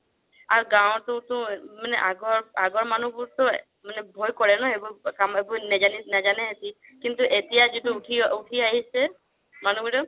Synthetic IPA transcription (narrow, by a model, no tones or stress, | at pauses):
aɾɡãw̃t̪ɔ̃t̪ũmaneʔa̰ɡɔɹaɡɔɹmanubuɾt̪ɔ | manebʱojkɔɹenɔebukamebunɛd͡ʒaninad͡ʒanɛɦet̪i | kint̪uʔet̪ijad͡ʒituuʈʰiuʈʰiaɦise | manubuʈɔ